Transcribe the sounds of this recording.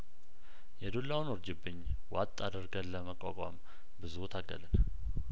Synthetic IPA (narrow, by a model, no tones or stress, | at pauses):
jɛd̪olːawnoɾd͡ʒɪbɨɲːwat̪ʼːad̪əɾɡəlːəməkʷʼːakʼa̰m | bɨzut̪ʰaɡːə̰lɨn